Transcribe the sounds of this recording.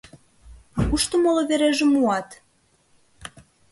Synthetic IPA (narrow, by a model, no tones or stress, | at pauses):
uʃt̪omoloβeɾeʒĕmuɑt̪